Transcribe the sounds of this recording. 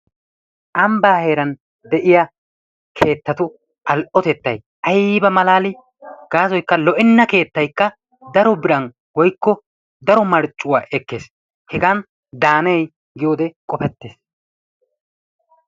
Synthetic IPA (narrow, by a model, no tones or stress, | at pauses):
ʔɐmbaːhe̞ːɾɐn | d̪ɛʔɪja | kʰe̞ːt̪ːɐt̪ʊ | ʔɐlʔɔt̪ɛt̪ːɐj | ʔɐjbɐmɐlaːlɪ | ɡ̥aːzɔjkːɐlɔʔɪnːɐke̞ːt̪ːɐjkːɐ | d̪ɐɾɔbɪɾɐn | wɔjkːɔ | d̪ɐɾɔmɐɾt͡ʃʼːʊwaːʔɛkːe̞ːs | hɛɡan | d̪aːnɛj | ɡɪjo̞ːd̪ɛkʼɔfɛt̪ːeːs